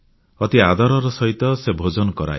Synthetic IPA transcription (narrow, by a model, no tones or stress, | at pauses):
ɔt̪iad̪ʱɔɾɔɾɔsɔɦit̪ɔsebʱod͡ʒɔnɔkɔɾa̰j